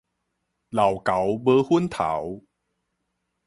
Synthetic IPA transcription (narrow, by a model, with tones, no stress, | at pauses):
la˨˩wka˨˦wbəː˧hu˦˥nt̪ʰa̰˨˩˦w